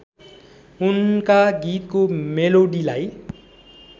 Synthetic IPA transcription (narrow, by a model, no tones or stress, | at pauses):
unkaɡit̪komeloɽilaj